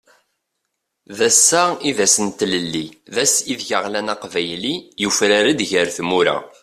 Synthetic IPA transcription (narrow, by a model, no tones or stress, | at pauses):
ðæsːæiðæsənt̪ləlːiðæsiðʝəʁlænɑqvæjlijufɾæɾid̪ʝəɾθmuɾæ̰